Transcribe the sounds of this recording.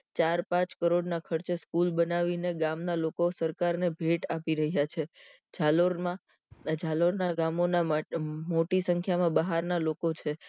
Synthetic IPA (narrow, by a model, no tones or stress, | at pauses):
t͡ʃaɾpãt͡ʃkəɾoɖnakʰəɾt͡ʃeskulbənaʋineɡamnalokosəɾkaɾnebʱeʈapiɾəɦjat͡ʃʰed͡ʒaloɾã | d͡ʒʱaloɾnaɡamonamoʈisəŋkʰjamãbəɦaɾnalokot͡ʃʰe